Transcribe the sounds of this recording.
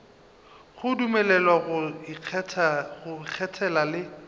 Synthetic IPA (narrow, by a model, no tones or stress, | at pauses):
χʊdumɛlɛlwaɣʊ | ɣʊk͡xʰɛtʰɛlalɪ